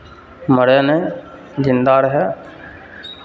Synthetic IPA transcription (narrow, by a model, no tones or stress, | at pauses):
məɽɛnɛ | d͡ʒɪnd̪aːɾɦɛ